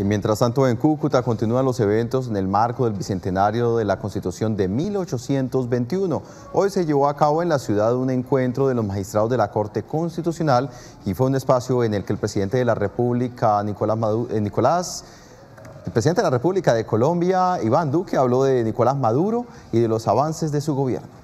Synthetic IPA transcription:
imjent̪ɾast̪ant̪oeŋkukut̪ako̞nt̪inuanlo̞se̞βe̞nt̪o̞s̬e̞ne̞lmaɾko̞ðe̞lbise̞nt̪enaɾjo̞ðe̞lako̞nst̪it̪usjo̞nd̪e̞milot͡ʃo̞sje̞nt̪o̞zbe̞nt̪iuno̞ | o̞jse̞ʝe̞βo̞akaβo̞e̞nlasjuðaðune̞ŋkwe̞nt̪ɾo̞ðelo̞zmaxist̪ɾaðo̞zd̪e̞lako̞ɾt̪e̞ko̞nst̪it̪usjonal | ifwe̞une̞spasjoene̞lkeːlpɾesiðe̞nt̪eðelarepuβlikaniknikolas | elpɾesiðent̪eðelarepuβlikaðe̞ko̞lõ̞mbjaiβand̪ukeaβlo̞ðe̞niko̞lazmaðuɾo̞ | iðe̞lo̞saβanse̞zd̪e̞suɣo̞βje̞̰ɾno

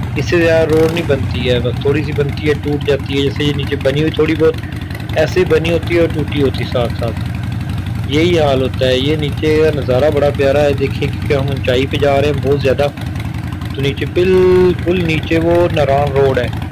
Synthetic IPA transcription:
ɪsːezjaːd̪aɾoːɖnĩːbənt̪iɦɛːbəst̪ʰːoːɽiːs̬ibənt̪iɦɛːʈuːʈd͡ʒaːt̪iɦɛːd͡ʒɛːsejeːniːt͡ʃebəniːɦʊiːt̪ʰoːɽibɔːt̪ | ɛːseibəniɦoːt̪iɦɛɔːʈuːʈiːɦoːt̪isaːt̪ʰsaːt̪ʰ | jeiːɦaːlɦoːt̪aɦɛːjeːniːt͡ʃekanəzaːɾaːbɐɽaːpjaːɾaɦɛd̪eːkʰiẽkĩːkeɦəmʊnt͡ʃaːiped͡ʒaːɾeɛ̃bɔːt̪zjaːd̪aː | t̪oːniːt͡ʃeːbɪlkʊlniːt͡ʃeʋoːnəɾaːnɾoːɽɦɛː

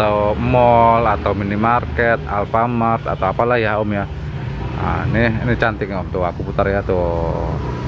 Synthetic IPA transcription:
t̪awmɔlat̪awminimarkɛt̪̚a̰lfamart̪a̰t̪awapalahjaomja | a̰nɪnɪt͡ʃant̪ɪkunt̪ʊakuput̪arjat̪o

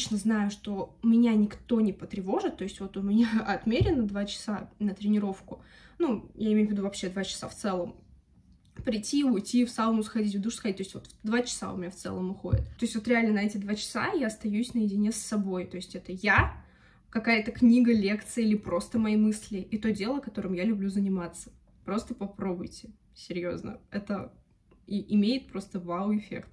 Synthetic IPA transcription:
t͡ɕnəznajʊʂt̪o̞mʲɪnʲanʲɪkt̪o̞nʲɪpət̪ɾʲɪvo̞ʐɨt̪ːo̞ɪsʲtʲvo̞t̪ʊmʲɪnʲaɐt̪mʲeɾʲɪnːəd̪vat͡ɕɪ̥sanət̪ɾʲɪnʲɪɾo̞fkʊ | nujaɪmʲejʊvʲɪd̪uvɐpɕːe̞d̪vat͡ɕɪ̥sa̰ft̪sɛlˠəm | pɾʲɪtʲiʊjtʲifsanʊsxɐdʲit̬ʲvd̪uʂsxɐdʲit̚ʲt̪oɪsʲtʲvo̞t̪vd̪vat͡ɕɪ̥sa̰ʊ̰mʲɪnʲaft̪sɛ̰lˠəmʊxo̞̰dʲɪ̰t̪t̪o̞ɪsʲtʲvo̞t̪ɾʲɪalʲnənɐɛtʲɪd̪vat͡ɕɪ̥sa̰jaɐst̪ɐjʉsʲnəjɪdʲɪnʲesːɐbo̞jt̪o̞jɪsʲtʲɛt̪əja | kɐkajət̪əknʲiɡəlʲe̞kt̪sɨɨilʲɪpɾo̞st̪əmɐimɨsʲlʲɪʔit̪o̞dʲe̞lˠəɐkɐt̪o̞ɾɨmjalʲʊblʲuzənʲɪmat̪sə̥ | pɾo̞st̪əpɐpɾo̞bʊjtʲɪ | sʲɪɾʲjo̞znə̰ɛt̪ə | iʔɪmʲejɪt̪̚pɾo̞st̪əvaʊɪfʲḛkt̪

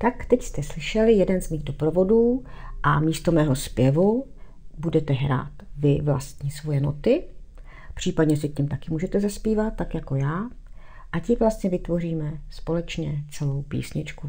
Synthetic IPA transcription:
t̪akt̪ɛcst̪ɛslɪʃɛlɪjɛdɛnzmiːɣdo̞pɾo̞vo̞duːʔamiːst̪o̞mɛːɦo̞spjɛvu | budɛt̪ɛɦɾa̰ːt̪vɪvla̰st̪ɲisvo̞jɛnot̪ɪ | pr̝̥iːpadɲɛs̬ɪkɲɪmt̪akɪmuːʒɛt̪ɛzaspiːvat̪ːakjako̞jaː | ʔacɪvlast̪ɲɛvɪt̪vo̞riːmɛspo̞lɛt͡ʃɲɛt͡sɛlo̞wpḭːsɲɪt͡ʃku

